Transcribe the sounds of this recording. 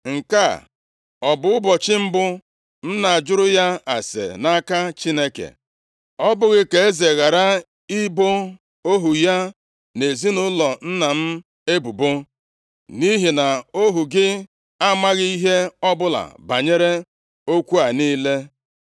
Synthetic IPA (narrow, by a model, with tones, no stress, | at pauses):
ŋ̩˨ka˦˨ | ɔ˨bʊ˨ʊ˦bɔ˨t͡ʃɪ˦m̩˦bʊ˦ | n̩˦na˨a˨d͡ʒʊ˦ɾʊ˦ja˦a̰˨sḛ˨na˦ka˦t͡ʃi˦ne˦kḛ˨ | ɔ˦bʊ˦ɣɪ˦ke˨e˦ze˨ɣa˨ɾa˦ | i˦bo˦ | o˦ɦu˨ja˦ | ne˨zi˦nʊ˦lɔ˨n̩˦na˨m̩˦ | e˦bu˨bʊ˦ | ni˦ɦi˨na˨o˦ɦu˨ɡɪ˦ | a˦ma˦ɣi˦i˦ɦe˦ɔ˦bʊ˦la̰˨ba˨ɲe˦ɾe˦ | o˦kʷu˦a˨niː˦le˦